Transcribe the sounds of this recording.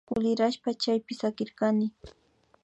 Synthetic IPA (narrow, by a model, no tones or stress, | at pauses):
kʊlɪɾaʃpat͡ʃajpɪsakɪɾkanɪ